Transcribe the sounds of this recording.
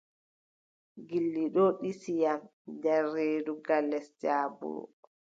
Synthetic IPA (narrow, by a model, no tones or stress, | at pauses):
ɡilːiɗɔɗisijamdaɾeːduɡalːɛsd͡ʒaːbṵɾṵ